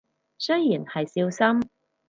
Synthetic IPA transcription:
sɵ˥ɥji˨˩nhɐ˨jsiː˧wsɐ˥m

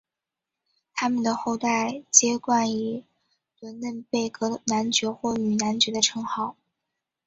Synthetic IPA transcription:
t̪ʰa˥mə˨nd̪ə˩xo˥˧ʊt̪a˥˩ɪt͡ɕjɛ˥kwa˥˩ni˨˩ | lwə˧˥nlə˥˧npe˥˩ɪkɤ˧˥na˧˥nt͡ɕɥɛ˧˥xwɔ˥˩y˨˩na˧˥nt͡ɕɥɛ˧˥d̪ə˧ʈ͡ʂʰɤ˧˥ŋxɑ˥˩˦ʊ

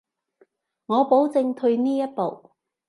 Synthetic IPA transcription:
ŋɔː˨˧po˨˥wt͡sɪ˧ŋt̪ʰɵ˧ɥniː˥jɐ˥t̚po˨w

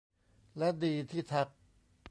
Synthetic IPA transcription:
lɛ˦˥diː˧t̪ʰiː˥˩t̪ʰa˦˥˩k̚

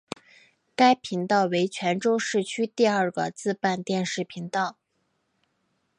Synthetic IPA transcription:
ka˥ɪpʰi˧˥ŋt̪ɑ˥˩ʊwe˧˥ɪt͡ɕʰɥɛ˧˥nʈ͡ʂo˥ʊʂɻ̩˥˩t͡ɕʰy˥t̪i˥˧ə˞˥˩ɡə̰˨˩t͡sɹ̩˥˧pa˥˧nt̪jɛ˥˧nʂɻ̩˥˩pʰi˧˥ŋt̪ɑ˥˩ʊ

